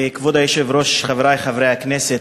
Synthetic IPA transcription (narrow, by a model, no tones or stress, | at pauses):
kvɔdajɛʃɛvɾoʃχavɾajχavɾejaknɛsɛ